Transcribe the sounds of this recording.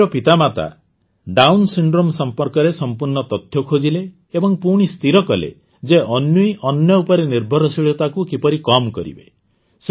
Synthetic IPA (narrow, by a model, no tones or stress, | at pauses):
ɔpit̪amat̪a̰ | ɖawnsiɳɖɾomsɔmpɔɾkɔɾesɔmpuɾɳɔt̪ɔt̪ʰjɔkʰod͡ʒileː | bɔŋpuɽ̃ist̪ʰiɾɔkɔlḛ | d͡ʒeʔɔnjujʔɔnjɔupɔɾeniɾbʱɔɾɔsiɭɔt̪akukipɔɾikɔmkɔ̰ɾḭbe | s